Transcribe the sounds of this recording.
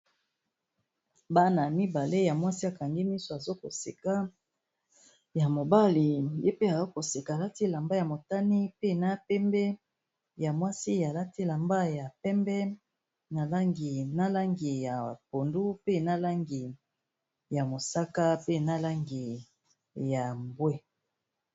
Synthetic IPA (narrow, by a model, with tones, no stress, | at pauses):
ba˦na˨mi˦ba˨le˦ja˨mwa˦si˦a˨ka˨ŋɡi˦mi˦so˨a˨zo˦ko˨si˨ka˦ | ja˨mo˨ba˦li˨je˦pe˦a˨zo˦ko˨si˨ka˨la˦ti˦la˨mba˦ja˨mo˨ta˦ni˦pe˦na˦pɛ˦mbɛ˦ | ja˨mwa˦si˦a˨la˦ti˦la˨mba˦ja˨pɛ˦mbɛ˦ | na˨la˦ŋɡi˨na˦la˦ŋɡi˨ja˨po˨ndu˦pe˦na˦la˦ŋɡi˨ | ja˨mo˨sa˦ka˦pe˦na˦la˦ŋɡi˨ | ja˨mbwe˦